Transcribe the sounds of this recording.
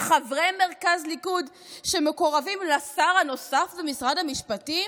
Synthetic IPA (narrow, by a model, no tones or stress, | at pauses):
χavʁejme̞ʁkazlikud | ʃemeko̞ʁavimlasaʁhano̞safbemisʁadhamiʃpati